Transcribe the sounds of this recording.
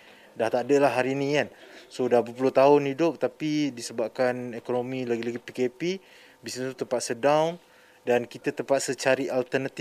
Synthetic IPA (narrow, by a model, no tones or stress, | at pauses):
daht̪adəlaɦːaɾinĩkansodapəp̬ulʊht̪aʊnhidʊp̚t̪apidisəbap̚kanekonomilaɡilaɡipikepi | bisət̪ut̪əmpat̪̚sədawn | dankit̪at̪əmpat̪̚sət͡ʃaɾiʔalt̪ərnat̪i